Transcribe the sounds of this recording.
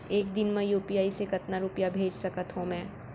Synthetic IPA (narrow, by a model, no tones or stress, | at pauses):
eːkd̪ɪnmẽjuːpijaːisekɐt̪naɾʊpijabʱeːd͡ʒsɐkət̪ɦõmɛ̃ː